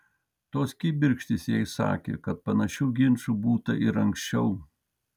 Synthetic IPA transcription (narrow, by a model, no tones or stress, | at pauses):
t̪oːskʲiːbʲɪɾʲkʃʲt̪ʲɪsjɛɪsɑ̰ːkʲḛːkɐt̪̚pɐnɐʃʲuːɡʲɪnʃubuːt̪ɐʔɪɾɐŋksʲt͡ʃʲɛʊ